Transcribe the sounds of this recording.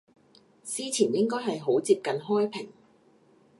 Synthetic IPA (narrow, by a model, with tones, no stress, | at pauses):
siː˥t͡sʰiː˨˩njɪ˥ŋkɔː˥jɦɐ˨jɦo˨˥wt͡siː˧p̚kɐ˨nɦɔː˥jpʰɪ˨˩ŋ